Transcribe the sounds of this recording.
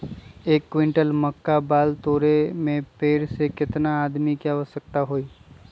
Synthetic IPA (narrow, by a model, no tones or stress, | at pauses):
eːkːwɪ̃ɳʈəlməkːabaːlt̪oːɾemẽpeːɾsekɪt̪naaːd̪mikjaʋəsək̚t̪aɦoːiː